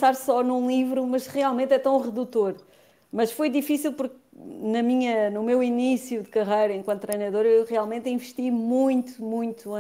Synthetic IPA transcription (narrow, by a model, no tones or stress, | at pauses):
saɾsɔnũlˠivɾumɐʃʁialˠmẽnt̪ɛt̪ɐ̃w̃ʁɨðut̪oɾ | mɐʃfojd̪ifisilˠpuɾk̚ | nɐmiɲɐnumewinisjud̪ɨkɐʁɐjɾɐẽŋkwɐ̃nt̪t̪ːɾɐjnɐðoɾewʁialˠmẽnt̪ĩvɨʃt̪imũj̃t̪u̥mũj̃t̪ũ